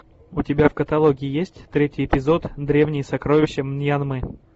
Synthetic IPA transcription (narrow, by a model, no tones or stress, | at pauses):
ʊtʲɪbʲafkət̪ɐlˠoɡʲɪjɪjesʲtʲt̪ɾʲetʲɪjɪpʲɪzo̞t̪d̪ɾʲe̞vnʲɪjsɐkɾovʲɪɕːɪmnjanmɨ